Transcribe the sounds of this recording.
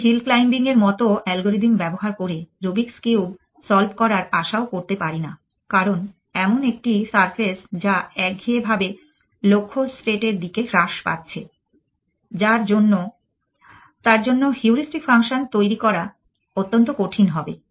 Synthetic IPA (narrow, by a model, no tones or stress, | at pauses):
ɦilklajmbiŋeɾmɔt̪oʔɛlɡoɾid̪imbɛboɦaɾkoɾeɾobikskeuwb | sɔlbkɔɾaɾaʃaokoɾt̪epaɾina | kaɾon | ɛmonek̚ʈisaɾfʰesd͡ʑaɛkɡʱiebʱabe | lokʰːosʈeʈeɾd̪ikeɾaʃpa̰tːt͡ɕʰe | d͡ʑaɾd͡ʑonːo | t̪aɾd͡ʑonːohiuɾisʈikfaŋʃont̪ojɾikɔɾa | ot̪ːont̪̬okoʈʰinɦɔbe